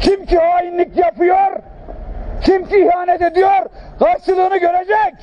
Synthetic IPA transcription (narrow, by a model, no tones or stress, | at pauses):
t͡ʃʰimcʰihaːjinlʲicjapɯjoɾ | cʰimciːhaːnɛt̪ed̪ijoɾɡaɾt͡ʃɯlˠɯːnɯɟøɾed͡ʒɛc